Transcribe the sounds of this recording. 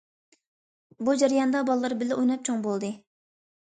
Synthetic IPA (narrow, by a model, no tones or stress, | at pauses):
bud͡ʒæɾijɑnd̪ɑbɑlˠɨːɨɾbɪlɪʔojnɑp̚t͡ʃʰoŋbolˠd̪ɨ